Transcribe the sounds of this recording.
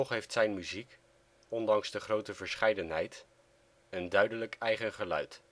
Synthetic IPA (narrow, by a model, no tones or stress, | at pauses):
ɔχɦejftsɛjnmyzik | ɔndɑŋzdəχrowtəvəɹsχɛjdənɦɛjt | əndœɥdələkɛjχənχəlœ̰ɥt